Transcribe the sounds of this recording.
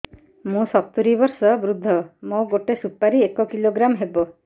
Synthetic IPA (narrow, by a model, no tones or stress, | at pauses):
mũsɔt̪uɾibɔɾsɔbɾud̪ʱːɔmoɡoʈesupːaɾiekɔkiloɡɾamɦebɔ